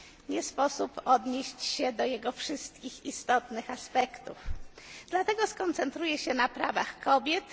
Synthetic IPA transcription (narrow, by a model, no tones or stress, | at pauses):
ɲɛspɔsupɔd̪ɲeɕt͡ɕɕɛd̪ɔjɛɡɔfʂɘst̪̚kʲixist̪ɔt̪nɘxaspɛkt̪ṵfd̪̥lat̪ɛɡɔskɔnt̪sɛnt̪ɾujɛɕɛnapɾavaxkʰɔbʲjɛt̪